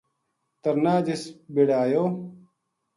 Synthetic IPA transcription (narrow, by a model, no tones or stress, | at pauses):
t̪ɐɾnaːd͡ʑisbiɽaːjoː